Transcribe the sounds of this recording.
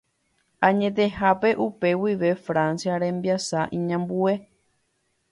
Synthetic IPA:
ãɲẽt̪̬e̞hape̞ʔupe̞wiʋe̞fɾãnsjaɾẽ̞mbiasaʔĩɲãmbue̞

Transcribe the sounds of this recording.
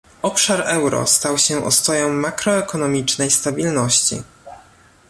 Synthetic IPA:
ɔpʂaɾɛwɾɔ̰st̪awɕɛʔɔ̰st̪ɔjɔ̃w̃ːakɾɔɛkɔnɔmʲit͡ʂnɛjst̪abʲilnɔɕt͡ɕḭ

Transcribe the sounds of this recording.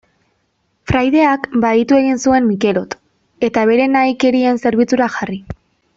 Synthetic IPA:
fɾajðe̞akbait̪ue̞ɣinsue̞nmike̞lo̞t̪ | e̞t̪aβe̞ɾe̞najke̞ɾie̞nse̞ɾβ̞it͡suɾaxari

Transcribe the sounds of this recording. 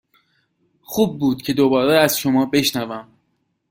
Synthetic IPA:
xuːb̚ːuːd̪̥̚cʰe̞d̪o̞bɒːɾeæz̥ʃo̞mɒːbe̞ʃnævæm

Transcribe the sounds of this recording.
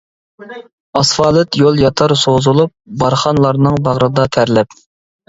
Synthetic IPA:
ɑsfɑːlˠɨt̪jolˠjɑt̪ʰɑɾsozulˠup̚bɑɾχɑnlˠɑɾnɨŋbɑʁɾɨd̪ɑt̪ʰæɾlɛp

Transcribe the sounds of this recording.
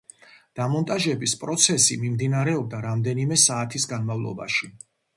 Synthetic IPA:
d̪̥amɔnt̪ʼaʒɛbispʼɾɔt̪sʰɛsḭmimd̪inaɾɛɔb̚d̪aɾamd̪ɛnimɛsaːt̪ʰisɡanmavlˠɔ̰ba̰ʃi

